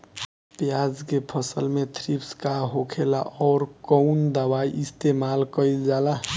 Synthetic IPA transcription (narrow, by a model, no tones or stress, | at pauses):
pjad͡zkepʰʌsəlmet̪ʰɾipskaɦokʰela̰ʔɔːɾkɔʊnd̪əwajʔist̪emalkəjld͡ʒala